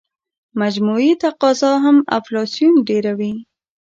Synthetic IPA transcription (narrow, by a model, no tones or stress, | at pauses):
mad͡ʒmuit̪aqɑzɑɦama̰flɑsjunɖeɾawi